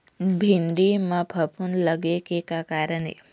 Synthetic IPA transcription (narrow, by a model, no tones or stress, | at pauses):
bʱind̪imãpəpunləɡekekakaːɾənḛ